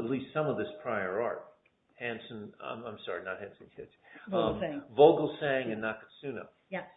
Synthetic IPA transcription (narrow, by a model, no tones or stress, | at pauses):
ətˡlistsʌ̃mʌvðɪspʰɹ̥aɪə˞ɑ̰ɹt̚ | hæ̃nsɨ̃na̰ɪ̃mãɪ̃msɑɹinət̚hæ̃nsn̩kʰɛʌvoʊɡl̩ˠsæ̃ŋɨ̃nːəkɨtsʉ̃nə̰ | j